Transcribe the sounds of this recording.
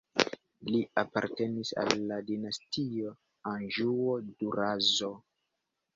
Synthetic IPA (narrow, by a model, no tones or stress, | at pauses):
liapa̰ɾte̞nisa̰lːadinastio | anʒuoduɾazo̞